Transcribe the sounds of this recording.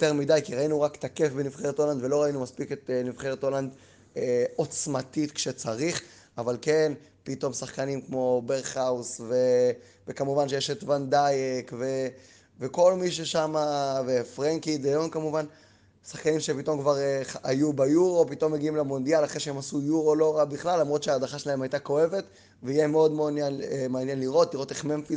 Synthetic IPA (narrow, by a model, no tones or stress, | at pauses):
jot̪eʁmidajkiʁainuʁakt̪akefbenivχeʁet̪oland̪velo̞ʁainumaspiket̪nivχeʁet̪oland̪ | o̞t͡smat̪it̪kʃet͡saʁiχ | avalke̞npito̞msaχkanimkmo̞beʁχausve | vekamuvanʃ̬ejeʃetvand̪ajekve̞ | veko̞lmiʃ̬eʃamavefʁeŋkid̪ajonkamuvan | saχkanimʃepito̞mkvaʁeajubajuʁo̞pito̞mːeɡiimlemo̞nd̪ialaχʁeʃeemasujuʁo̞lo̞ʁabiχlalːamʁo̞t̪ʃeaːdaχaʃelae̞majtako̞e̞ve̞t | veijemeo̞d̪meonjanemeanjenliʁo̞t̪liʁo̞t̪eχmemfi